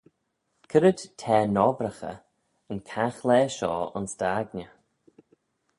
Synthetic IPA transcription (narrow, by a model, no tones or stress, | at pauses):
kʰəɾədtʰɛːnɔbɾəxə̰ | ənkʰaxlɛːʃɔ̰ːʊ̰nsd̥aːɡnə